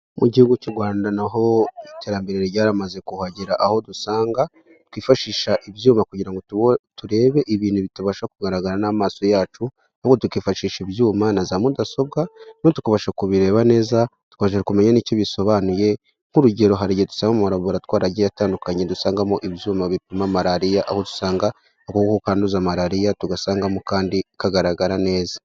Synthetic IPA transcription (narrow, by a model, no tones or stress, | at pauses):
muɟihuɡucuɡwaːndanaɦo̞ite̞ːɾambeɾeɾeɾɟaːɾamaze̞kuhaɟiɾaʔaho̞dusaːŋɡa | tkwiːfaʃiːʃaʔiβjuːmakuɟiɾaŋɡo̞ttuɾe̞ːβe̞ʔiβiːnuβituβaʃakuɡaɾaɡaɾanamaːso̞jaːt͡ʃu | aβuβɡotukiːfaʃiːʃibjuːmanazamudaso̞bɡanotu̥kaβaʃakuβiɾe̞ːβane̞ːza | tu̥kaβaʃ̬akume̞ɲaniːcoβiso̞βanuje̞ | ŋ̥huɾuɟe̞ɾo̞ɦaɾiɟedu̥saːŋɡamumaɾaβoɾatwaːɾaɟejataːndukaɲe̞dusaːŋɡamoʔiβjuːmaβipimamaɾaɾijaʔa̰hotu̥saːŋɡa | akokkokaːnduzamaɾaɾijatuɡasaːŋɡamokaːndikaɡaɾaɡaɾane̞ːzḁ